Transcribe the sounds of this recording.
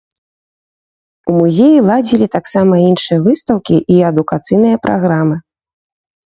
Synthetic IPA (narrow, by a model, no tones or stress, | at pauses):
umuzʲejilˠad͡zʲilʲit̪aksamɐinʂɨjɐvɨst̪ɐwkʲiʔiɐd̪ukat̪sɨjnɨjɐpɾʔaɣɾamɨ